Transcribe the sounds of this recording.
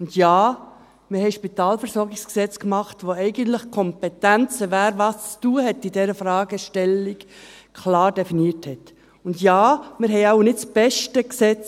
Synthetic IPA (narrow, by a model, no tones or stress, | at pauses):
ʊndjaː | mɪhɛɪʃpitɑːlfɛɾsɔɾɡɪksksɛt͡skmɑχtʋoɛɪɡəntləχkʰɔmpɛtænt͡səvæːɾvɑːst͡stuːəhɛtːidɛɾəfɾɑːɡəʃtɛlːik | kʰlɑːɾd̥ɛfiniəthɛt | ʊndjaːmɪɾɦɛɪaʊnɪtt͡sb̥ɛʃtəksɛt͡s